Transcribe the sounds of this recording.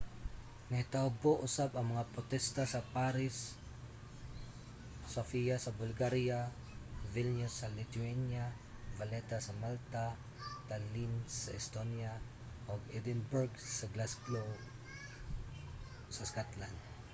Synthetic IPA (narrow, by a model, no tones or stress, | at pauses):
ŋɐɪt̪aʊboʔʊsabɐŋmɐŋapot̪ɛst̪asɐpaɾɪs | ofijasɐbʊlɡaɾija | vilnʊsːɐlɪt̪uɛnja | vɐlɛt̪asɐmalt̪a | t̪alinsɐ̰ʔɛst̪onja | ʔoɡɛd̪ɪnbʊɾɡsɐɡlasɡlo | sɐskat̪land̪̚